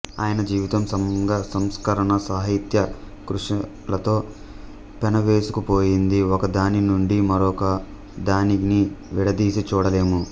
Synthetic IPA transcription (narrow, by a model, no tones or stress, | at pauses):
a̰ːjɐnɐd͡ʒiːʋit̪ɐmsɐmŋɡasɐmskɐɾɐɳɐsaːɦit̪jɐ | kɾuʂɐ | lɐt̪o̞ː | pɐnɐʋeːsu̥kupoːjind̪iɔkɐd̪aːninuɳɖimɐɾɔkɐ | d̪aːniniʋiɽɐd̪iːsit͡ʃuːɽɐle̞ːmu